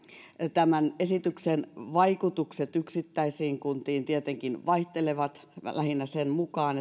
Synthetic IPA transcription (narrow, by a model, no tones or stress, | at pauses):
t̪æmænesit̪yksenʋɑikut̪ukset̪yksit̪ːæisiːŋkunt̪iːnt̪iet̪eŋkinʋɑiht̪eleʋɑt̪ | læhinːæsenmukɑːne